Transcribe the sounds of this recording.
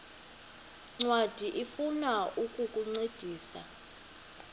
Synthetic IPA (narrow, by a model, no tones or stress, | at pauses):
ŋ͡ǀwad̥ʱiʔifunaʔukʼukʼuŋ͡ǀed̥ʱiːsa̰